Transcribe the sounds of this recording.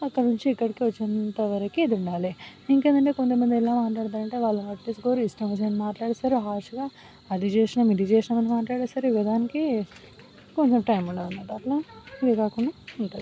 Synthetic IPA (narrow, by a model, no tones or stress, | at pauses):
ɐkːɐɽɐnuɲt͡ʃiikːɐɽikiʋɐt͡ʃːint̪ɐʋɐɾɐkiːd̪iuɳɖaːliiŋkeːnd̪ɐɳʈeːkont̪̬ɐmɐnd̪ilaːmaːʈlaːɽt̪̬aːnɐɳʈe̞ːʋaːɭːɐnɐʈːisɡoːɾuisʈɐmʋɐs̬eɐnmaːʈlaːɽesaɾuɦaːʂuɡaː | ɐd̪it͡ʃeːʂɐnɐmid̪it͡ʃɛːʃɐnɐmɐnmaːʈlaːɽesaɾiʋɐd̪aːniki | ko̞ɲt͡ʃɐmʈɐjmuɳɖoːunːaːɾuɐʈlaːid̪ekaːkuɳɖaːuɳʈaːɾu